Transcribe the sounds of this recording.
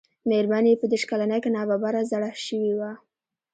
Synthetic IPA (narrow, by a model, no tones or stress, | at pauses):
meɾmanepəd̪eʃkalanəjkenɑbabaɾazaɽaʃəwiwa